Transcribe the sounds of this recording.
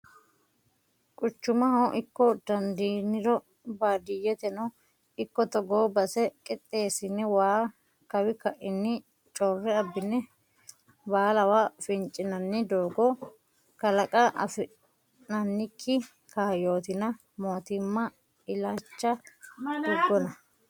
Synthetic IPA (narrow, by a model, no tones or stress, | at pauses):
kʼʊt͡ʃːʊmɐɦɐwʔɪkːɔd̪ɐnd̪iːnɪɾɔ | baːd̪ɪjɛt̪ɛnɔ | ɪkːɔt̪ɔɡoːbɐsɛkʼɪt̪ʼːe̞ːsɪnːɪwaː | kɐwɪkɐʔɪnːɪ | t͡ʃʼɔrːɛɐbːɪnːɛ | baːlɐwafɪnt͡ʃʼɪnɐnːɪd̪oːɡɔ | kɐlɐkʼɐʔɐ̰fɪ | nɐnːɪkʰːɪ | kaːjo̞ːt̪ɪnɐ | mo̞ːt̪ɪmːɐ | ɪlaːt͡ʃːɐd̪ʊɡːɔnɐ